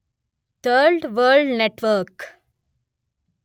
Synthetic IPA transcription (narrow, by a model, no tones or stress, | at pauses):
t̪ʰəɾɖʋəːlɖneʈʋəɾk